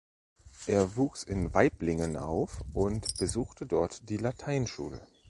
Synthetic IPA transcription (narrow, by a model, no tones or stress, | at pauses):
ʔeːɐvuːksɪnvaɪplɪŋənʔa̰ʊfʔʊntb̥əzuːxtədɔɐtd̥iːlatʰaɪnʃṵːlə̰